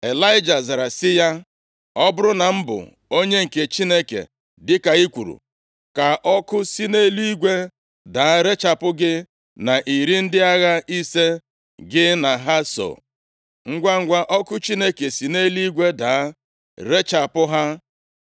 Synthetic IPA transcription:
e˨la˦ɪ˦d͡ʒa˨za˨ɾa˨sɪ˦ja˦ | ɔ˦bʊ˦ɾʊ˦na˨m̩˦bʊ̰˨ | o˦ɲe˦ŋ̩˨ke˨t͡ʃi˦ne˦kḛ˨ | dɪ˦ka˨i˦kʷṵ˨ɾṵ˨ | ka˨ʔɔ˦kʊ˦si˦ne˦li˦i˦ɡʷe˦ | da˨˦ɾe˦t͡ʃa˨pʊ˦ɡɪ˦ | na˨ʔi˨ɾi˦n̩˦dɪ˦a˦ɣa˦i˦se˦ | ɡɪ˦na˨ɦa˦so̰˨ | ŋ̩˦ɡʷa˦ŋ̩˦ɡʷa˦ʔɔ˦kʊ˦t͡ʃi˦ne˦ke˨si˨ne˦li˦ɡʷe˦da˨˦ | ɾe˦t͡ʃa˨pʊ˦ɦa˦

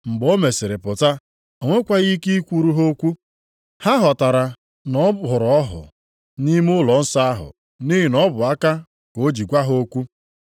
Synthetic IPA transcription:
ŋ͡m̩˨ɡ͡bo˦me˨sɪ˨ɾɪ˨pʊ˨ta˦ | o˨ŋʷe˦kʷa˦ɣi˦ki˦i˦kʷu˦ɾu˦ɦo˦kʷu˦ | ha˦ɦɔ˨ta˨ɾa˨ | nɔ˨˦ɦʊ˨ɾɔ˦ɦʊ̰˨ | ni˦m˦ʊ˦lɔ˨n̩˦sa˦a˦ɦʊ̰˨ | ni˦ɦi˨nɔ˦bʊ˨a˦ka˦ | ko˨˦d͡ʒi˨ɡʷa˦ɦo˦kʷu˦

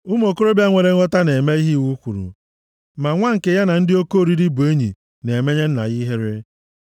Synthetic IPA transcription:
u˦m˦o˨ko˦ɾo˦bja˦ŋʷe˨ɾe˦ŋɔ˦ta˦ne˨me˦i˦ɦi˦wu˦kʷu˨ɾṵ˨ | ma˨ŋʷa˦ŋ̩˨ke˨ja˦na˨n̩˦dɪ˦o˦ko˦˨ɾi˦ɾi˦bu˨e˦ɲḭ˨ | ne˨me˦ɲe˦n̩˦na̰˨ɣi˦ɦe˦ɾe˦

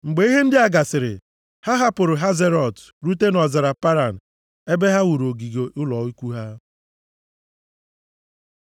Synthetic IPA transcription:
ŋ͡m̩˨ɡ͡be˨i˦ɦe˦n̩˦dɪ˦a˨ɡa˨sɪ˨ɾɪ̰˨ | ha˦ɦa˦pʊ˨ɾʊ˨ɦa˦ze˦ɾɔ˨t | ɾu˦te˦nɔ˨za˨ɾa˨pa˦ɾa˨n̩˨ | e˦be˦ɦa˦wu˨ɾo˨ɡi˨ɡe˨ʔʊ˦lɔ˨i˦kʷu˦ɦa˦

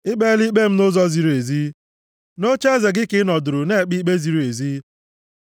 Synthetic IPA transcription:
ɪ˦ɡ͡be˦li˦k͡pe˦m̩˦nʊ˦zɔ˦zi˨ɾu˨e˨zi˦ | no˦t͡ʃe˦ze˨ɡɪ˦kɪ˦nɔ˨dʊ˨ɾʊ˨ne˦˨k͡pi˦k͡pe˦zi˨ɾu˨e˨ziː˦

